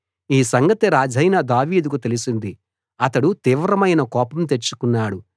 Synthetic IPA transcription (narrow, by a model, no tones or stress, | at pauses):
iːsɐŋɡɐt̪iɾaːd͡ʒʱɐjnɐd̪aːʋiːd̪ukut̪elisind̪i | ɐt̪ɐɽut̪iːʋɾɐmɐjnɐkɔːpɐmt̪̬et͡ʃːu̥kunːaːɽu